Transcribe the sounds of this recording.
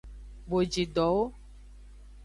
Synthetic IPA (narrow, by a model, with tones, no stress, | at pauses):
bo˨d͡ʒi˨ɖɔ˨˦wo˦